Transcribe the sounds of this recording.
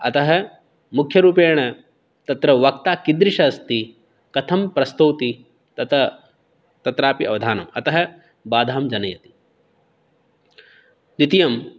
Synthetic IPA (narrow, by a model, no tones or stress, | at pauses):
ɐ̰t̪ɐɦɐ̆ | mukʰjɐɾuːpeːɳɐ | t̪ɐt̪ɾɐʋɐk̚t̪aːkind̪ɾiʃɐːst̪i | kɐt̪ʰɐmpɾɐst̪ɐwt̪i | t̪ɐt̪ɐ | t̪ɐt̪ɾaːpiʔɐ̰ʋɐd̪ʱaːnɐmɐt̪ɐɦɐ̆ | baːd̪ʱaːmd͡ʒɐnɐjɐt̪i̥ | d̪it̪ijɐm